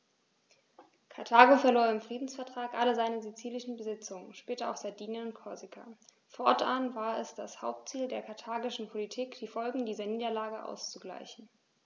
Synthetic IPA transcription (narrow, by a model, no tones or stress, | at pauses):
kʰaɐtʰaːɡofɛɐloːɐɪmfʁ̥iːdn̩sfɛɐtʁ̥aːkʔaləzaɪnəzit͡siːlɪʃn̩bəzɪt͡sʊŋənʃpɛːtɐa̰ʊxz̥adiːnənʊntkʰɔɐzikʰa̰ | fɔɐtʔanvaːɐɛsd̥ashaʊp̚tt͡siːldeːɐkʰaɐtʰaːɡɪʃn̩pʰolitʰiːkd̥iːfɔlɡŋ̩diːzɐniːdɐlaːɡəʔa̰ʊst͡suɡla̰ɪçn̩